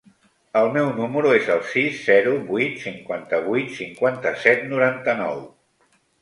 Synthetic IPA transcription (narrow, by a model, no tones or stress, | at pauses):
əlˠmɛwnuməɾuezəlˠsisːɛɾuβit̪siŋkwant̪əβujt̪siŋkwant̪əsɛt̪nuɾant̪ənɔ̰w